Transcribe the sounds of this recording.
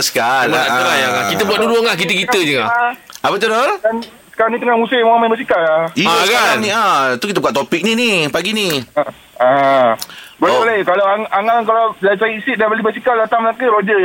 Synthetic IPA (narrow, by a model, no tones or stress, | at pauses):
sə̥kalaaəajaɡakit̪əbuat̪̚duduaŋlahkit̪əkit̪əd͡ʒəŋaapət̪̬udola | sə̥kaɾaŋnit̪əŋamusejmamãbəsikalaiaɡaaaniat̪ukit̪aəbukaʔt̪opik̚ninipaɡini | a | bolɛbolajkalawaŋʔaŋaŋkalalasajiisɪʔ̚danbalibəsikaldat̪aŋmlakəɾod͡ʒə